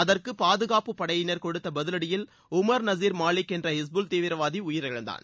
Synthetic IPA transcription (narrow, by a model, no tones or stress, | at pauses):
ɐðɐrkɯpaːðɯɣaːpɯpːɐɽɐjɪnɐɾkɔɽɯt̪ːɐbɐðɪlɐɽɪjɪl | ʊmɐɾnɐziːɾmaːlɪkːɛndrɐɪs̬bʊlt̪eːʋɪɾɐʋaːðiʊjɪɾɐɻɐ̰nd̪a̰ːn